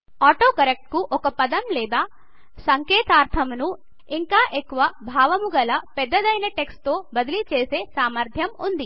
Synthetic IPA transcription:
aːʈoːkɐɾek̚ʈ̚kuʔɔkɐpɐd̪ɐmlɛːd̪aː | sɐŋkeːt̪aːɾt̪ʰɐmnu | iŋkaːʔekːuʋɐbʱaːʋɐmuɡɐlɐpɛd̪ːɐd̪ɐjnɐʈekst̪o̞ːbɐd̪ilit͡ʃeːseːsaːmɐɾt̪ʰjɐmund̪i

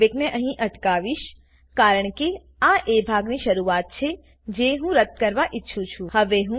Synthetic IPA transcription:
ekneʔəɦĩʔəʈkaʋiʃ | kaːɾəɳ̃ke | aʔebʱaɡniʃəɾuaːt̪̚t͡ʃʰe | d͡ʒeɦũɾət̪̚ːkəɾʋaʔɪtːʃʰũt͡ʃʰuhəʋeɦũ

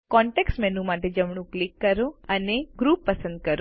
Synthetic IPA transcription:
kɔɳʈeksʈmɛnũmaʈed͡ʒəmɳ̃ũklikːəɾõəneɡɾupːəsə̃nd̪̚kəɾo

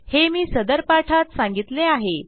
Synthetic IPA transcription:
hemiːsəd̪əɾpaʈʰat̪sãŋɡit̪leaɦe

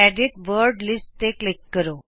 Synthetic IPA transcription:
æɖiʈʋəɾɖlisʈt̪eklikːəɾo

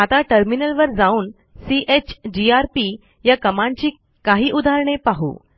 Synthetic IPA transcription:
at̪aʈəɾminəlʋəɾd͡zauːn | siʔet͡ɕd͡ʑiaɾpi | jakəmãɲt͡ɕiː | kaɦiːʔud̪ʱaɾɳ̃epaɦṵː

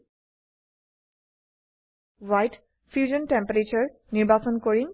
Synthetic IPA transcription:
wajt | fʰjuzɔntɛmpaɹet͡ʃɔɹ | niɹbat͡sɔnkoɹin

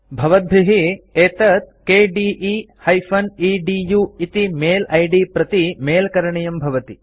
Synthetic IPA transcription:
bʱɐʋɐt̪̚bʱiɦieːt̪ɐt̪̚keːɖiːʔi | hɐjfʰɐniːɖiːjuit̪imeːlɐjɖipɾɐt̪imeːlɐkɐɾɐɳɐjɐmbʱɐʋɐt̪i

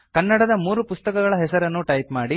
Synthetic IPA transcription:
kɐnːɐɽɐd̪ɐmuːɾupust̪ɐkɐɡɐɭɐɦɛsɐɾɐnːuʈɐjpmaːɽi

